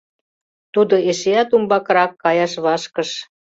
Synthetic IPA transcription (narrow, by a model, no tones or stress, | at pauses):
t̪ud̪oeʃeæt̪umbɑkɾɑkːɑjɑʃβɑʃkəʃ